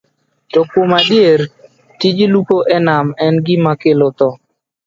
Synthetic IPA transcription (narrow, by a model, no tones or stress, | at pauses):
tɔkomadieɾ | tid͡ʒilupoʔɛnamɛnɡɪmakelot̪ɔ